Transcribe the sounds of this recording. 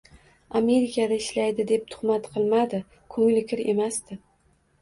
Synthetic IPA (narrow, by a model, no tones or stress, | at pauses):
ame̞ɾɪkad̪aɪʃlajd̪ɪd̪e̞p̚t̪ʰʊ̥χmat̪qʰɨlˠmad̪ɪ | kʰɵŋlɪkʲʰɪɾe̞̰mast̪ɪ